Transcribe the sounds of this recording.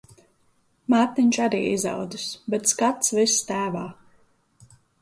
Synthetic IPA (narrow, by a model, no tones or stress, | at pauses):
maːt̪niɲʲt͡ʃaɾḭːiza̰wd̪ɨsbɛt̪skat̪svist̪æːvaː